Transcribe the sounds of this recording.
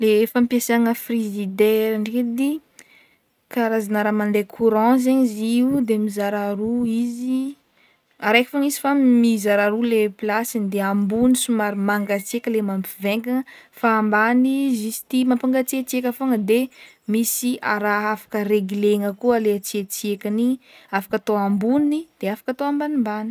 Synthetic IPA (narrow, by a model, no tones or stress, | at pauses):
lefampiasaŋəfrizid̪eɾaɳɖ͡ʐiked̪i | kaɾazanaɾamand̪ekʰuɾɑ̃z̬aɲiziud̪emizaɾaɾuizi | aɾajki̥foŋizi̥famizaɾaɾuleplasinid̪eambunisumaɾimaŋɡat͡siekʲəlemampiveŋɡaŋəfaːmbanizisi̥t̪imampaŋɡat͡siet͡siekʲafoŋəd̪e | misiaɾaafḁkəreɡileŋəkualeat͡siet͡siekʲaniafḁkat̪oambunid̪̥eafḁkat̪oambanimbani̥